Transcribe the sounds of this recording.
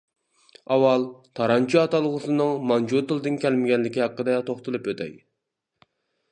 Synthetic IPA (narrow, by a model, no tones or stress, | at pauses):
ɑwɑlˠt̪ʰɑɾɑnt͡ʃʰuɑt̪ɑlˠʁʊsɨnɨŋmɑnd͡ʒut̪ɨlˠd̪ɨnkʲɛlmɪɡʲɛnlɪkʲihɑqːəd̪ɑt̪ʰoχt̪ɨlˠɨpøt̪ʰɛ̰j